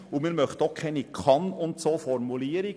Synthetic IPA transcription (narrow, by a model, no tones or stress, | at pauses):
ʊmiːnmœχt̪okʰɛɪnikʰɑnʊnt̪soːfɔɾmuliːəɾi